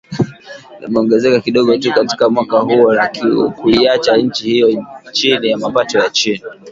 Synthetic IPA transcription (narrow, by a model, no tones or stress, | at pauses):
nḭmɛɔŋɡɛzɛkakiɗɔɠɔtukati̥kamwakahuɔɾakḭkuiat͡ʃaɲ̩t͡ʃihijɔt͡ʃinijamapatɔjat͡ʃini